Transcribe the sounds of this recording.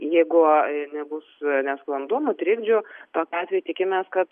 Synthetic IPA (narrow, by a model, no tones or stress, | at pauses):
jɛɪɡʊnʲɛbʊsnʲɛsklˠɐnd̪ʊmʊt̪ʲɾʲɪɡd͡ʒʲʊt̪oːkʲɑːt̪ʲʋʲɛjʊt̪ʲɪkʲɪmʲeːskɐt̪